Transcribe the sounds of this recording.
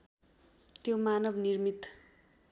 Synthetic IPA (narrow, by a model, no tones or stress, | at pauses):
t̪jomanʌbnirmit̪